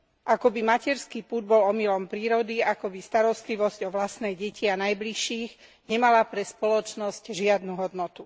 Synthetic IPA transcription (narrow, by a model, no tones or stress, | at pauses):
ʔakɔbimacɛɾskipuːd̪̚bɔlɔmilɔmpɾiːɾɔd̪iakɔbist̪aɾɔst̪liʋɔzcɔʋlast̪nɛjɟɛcianajbliʃiːɣ | ɲɛmalapɾɛspɔlɔt͡ʃnɔscʒɪad̪nuɦɔd̪nɔt̪u